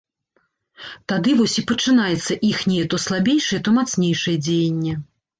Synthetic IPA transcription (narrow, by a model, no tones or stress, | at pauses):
t̪ad̪ɨvɔsʲipɐt͡ʂɨnajɛt̪sːɐʔixnʲɛjɛt̪ɔslˠabʲejʂɐjɛt̪ɔmat̪snʲejʂɨjɛd͡zʲejenʲːɛ